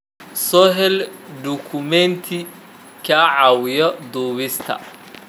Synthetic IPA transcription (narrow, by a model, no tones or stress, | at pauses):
sɔːɦɛld̪ukʰʊmɛnt̪ʰɪ | kʰaːʕɑːwɪjɔd̪uːβɪst̪ʰɐ̰